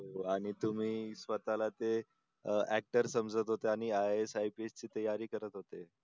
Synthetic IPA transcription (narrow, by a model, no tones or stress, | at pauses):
ɦoaɽ̃it̪um̤iːsʋət̪alat̪e | æk̚ʈəɾsəmd͡zət̪ɦot̪eaɽ̃iaesajpiest͡ɕiːt̪əjaɾiːkəɾət̪ɦot̪e